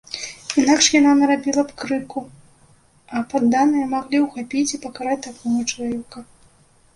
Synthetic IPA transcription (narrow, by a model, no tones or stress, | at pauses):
inakʂjananɐɾabʲilˠɐpkɾɨku | ɐpad̪ːanɨjɐmaɣlʲiwxapʲit͡sʲipɐkaɾat͡sʲt̪akɔɣɐt͡ʂɐlˠavʲɛkɐ